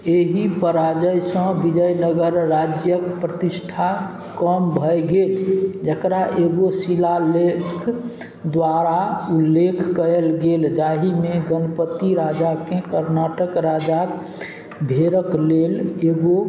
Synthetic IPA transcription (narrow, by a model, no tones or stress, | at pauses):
eɦipəɾad͡ʒəjsə̃bid͡ʒəjnəɡəɾːad͡ʒjəkpɾət̪isʈʰa | kəmbʱəjɡeld͡ʒəkɾaʔeɡosilalekʰ | d̪waɾaulːekʰkəelɡeld͡ʒaɦimeɡənpət̪iɾad͡ʒakekəɾnaʈəkɾad͡ʒak | bʱeɾəkleleɡo